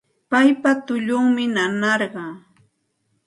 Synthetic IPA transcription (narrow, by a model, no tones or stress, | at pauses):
pajpat̪ʊʎʊŋmɪnanɑɾɢɑː